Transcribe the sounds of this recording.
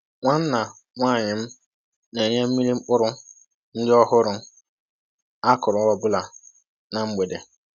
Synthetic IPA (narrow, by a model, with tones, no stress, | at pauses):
ŋʷa˦n̩˦na˨ | ŋʷaː˦˨ɲɪ˨m̩˦ | ne˨ɲe˦m̩˦mi˦li˦ŋ͡m̩˦k͡pʊ˦ɾʊ˦ | n̩˦dɪ˦ɔ˦ɦʊ˦ɾʊ˨m˦ | a˦kʊ˨ɾʊ˨˦ɔ˨bʊ˦la˨ | na˨ŋ͡m̩˦ɡ͡be˨de˨